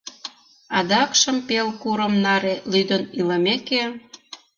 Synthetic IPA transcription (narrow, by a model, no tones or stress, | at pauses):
ɑd̪ɑkʃə̆mpelkuɾə̆mnɑɾelyd̪əniləmeke